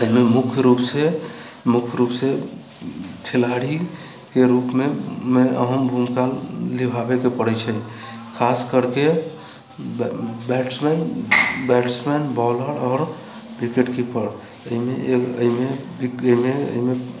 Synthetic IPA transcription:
əɦimemukʰjɾupse | mukʰjɾupse | kʰilaɽi | keɾupmemeə̰ɦəmbʱumkalːibʱabekepəɽɛt͡ʃʰəjkʰaskəɾke | bɛʈsmɛnbɛʈsmɛnbɔləɽɔːɾ | bikeʈkipəɽ | əɦimeəimebiəimeə̰ime

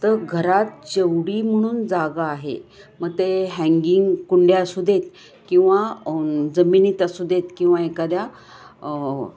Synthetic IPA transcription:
t̪əɾɡʱəɾat̪̚d͡ʑewɽiːm̤əɽ̃uːnd͡zaɡaːɦḛməɡ̚t̪eɦɛ̃ŋɡiŋɡkuɳɖjasud̪ʱet̪̚ | kĩw̃ʋa | d͡zəminit̪asud̪ʱet̪kĩw̃ʋaekad̪ja

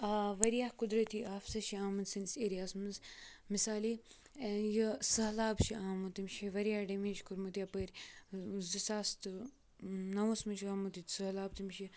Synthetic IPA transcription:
aʋɐɾijaːhkud̪ɾɐt̪iʔaːfsɐʃiaːmɐnsinseɾjaːsmɨnsmisaːli | jisɐɦlaːbʃiaːmut̪imʲʃiʋɐɾjaːhɖɐmiːʃkuɾmut̪jaːpəɾʲ | zisaːst̪ɨ | nɐwɐsmɐnʃiaːmut̪isɨɦlaːb̚t̪imʃi

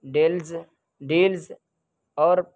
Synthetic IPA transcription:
ɖelz | ɖeːlz | ɔːɾ

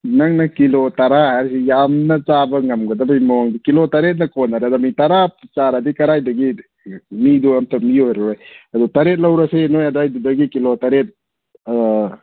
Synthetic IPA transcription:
naŋnɐkilotaɾahajɾsijamnɐt͡ʃabɐŋɐmɡɐdɐbajmɔŋdikilotaɾet̬̚nɐkonaɾadamitaɾapt͡ʃaɾadikɐɾajdɐɡi | miduamtʰamiojɾojadutaɾet̚lawɾɐsenojadajdudɐɡikilotaɾet̚

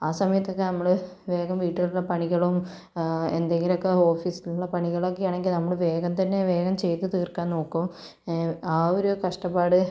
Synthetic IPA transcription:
aːsɐmɐjɐt̪ːo̞kːe̞nɐmːɐɭ | ʋe̞ːɣɐmʋiːʈːiluɭːɐpɐɳiɣɐɭum | ḛnd̪e̞ŋɡilo̞kːe̞o̞ːfiːsiluɭːɐpɐɳiɣɐɭokːejaːɳeŋɡilnɐmːɐɭʋe̞ːɡɐmt̪ɐnːe̞ʋe̞ːɣɐmt͡ɕe̞jt̪ːɨt̪iːrkːaːnnoːkːum | aːoɾukɐʂʈɐpːaːɽɨ

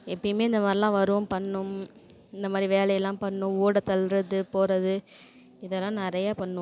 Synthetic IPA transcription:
ɛpːɐɽmeːɪnd̪ɐmaːd̪ɾɪlãːʋɐɾɯʋɐmpɐɳːɯm | ɪnd̪ɐmaːd̪ɾiʋeːlɐjɐlːãːpɐɳːʊ̃uːɽɐt̪ɐlɾɐðɯpoːɾɐðɯ | ɪðɛlãːnɪɾɐjaːpɐɳːɯ̃

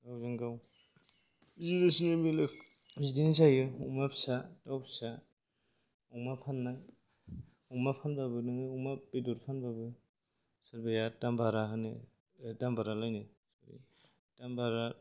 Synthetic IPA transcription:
ɡawzɯŋɡaw | zidasinemilek | zidensajɯuŋmapʰsatawpsa | ɔŋmapʰanːa | ɔŋmapʰanbabɯnɯŋɯɔŋmabeduɾpʰanbabɯ | saɾbajatambaɾaɦɯnḛ | dambaɾalajni | saɾḭ | tambaɾa

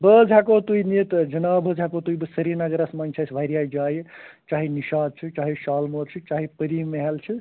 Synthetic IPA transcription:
bəd͡ʒʱɦakot̪uinit̪d͡ʒɐnaːbəd͡ʒʱɦakot̪uibɨsɐɾinaɡəɾasmant͡ʃʰasʰʋʱajɾjaːid͡ʒaːjet͡ʃaːɦiniʃaːd̪̚t͡ʃʰit͡ʃaːɦiʃaːlmoːɾt͡ʃʰɨt͡ʃaːɦipəɾimːeɦelt͡ʃʰi

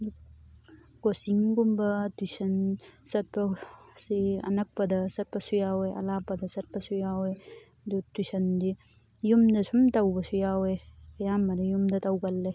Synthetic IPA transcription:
ɡosiŋɡumbɐtusɐnsɐɾpɐsiɐ̰nɐk̚pːɐd̪ɐsɐɾpɐsujawejʔɐ̰laːpɐd̪ɐsɐɾpɐsujawe | dutisɐnd̪i | jumd̪ɐsumt̪ɐwbɐsujaweɐjamːɐɾɐjumd̪ɐt̪ɐwɡɐlːe

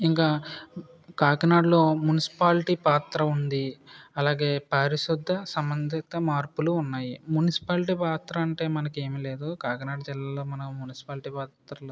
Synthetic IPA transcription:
iŋkaː | kaːknaːɖlo̞ːmunisi̥paːliʈiːpaːt̪ɾɐund̪iɐlaːɡe̞ːpɐɾiʃud̪ʱːɐsɐmbɐnd̪ʱit̪ɐmaːɾpuluːnːaːjimunisi̥paːlʈ̬iːpaːt̪ɾɐɐɳʈe̞ːmɐnɐke̞ːmile̞ːd̪ukaːkɐnaːɖd͡ʒɛlːɐːlːoːmɐnɐmunisi̥paːlʈiːpaːt̪ɾɐl

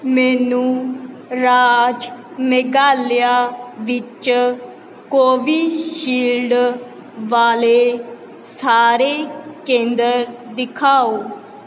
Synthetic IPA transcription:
mɛːnũː | ɾaːd͡ʒmɛɡaːlɪjaːʋɪt͡ʃ | koːʋiːʃiːlɖ | ʋaːleː | saːɾeːkẽːnd̪əɾd̪ɪkʰaːoː

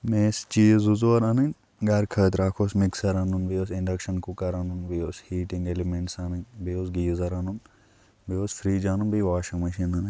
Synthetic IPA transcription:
meːst͡ʃiːzuzoɐɾɐnɐnʲ | ɡɐɾkʰəːt̪ɾaːkʰoːsmiksɐɾɐnunbijosiɳɖɐkʃɐnkukɐɾɐnunbioːshiːʈiŋɡelimẽɳʈsanɨnbioːsɡiːzɐɾɐnun | bioːsfɾiːd͡ʒaːnunbiːʋaːʃɐŋmɐʃinɐnɨnʲ

